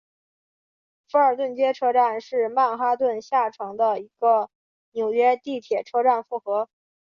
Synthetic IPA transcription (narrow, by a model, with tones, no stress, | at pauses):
fu˧˥ə˞˨˩t̪wə˥˩nt͡ɕjɛ˥ʈ͡ʂʰɤ˥ʈ͡ʂa˥˧nʂɻ̩˥˧ma˥˩nxa˥t̪wə˥˧nɕja˥˩ʈ͡ʂʰɑ˧˥ŋd̪ə˧i˧˥ɡ̥ə˧ | njo˨˩ʊɥɛ˥t̪i˥˩t̪ʰjɛ˨˩ʈ͡ʂʰɤ˥ʈ͡ʂa˥˧nfu˥˩xɤ˧˥